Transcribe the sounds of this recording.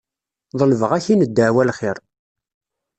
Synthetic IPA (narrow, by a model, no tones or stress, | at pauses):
ðˤəlvəʁæçinəd̪ːəʕwælχɪɾˤ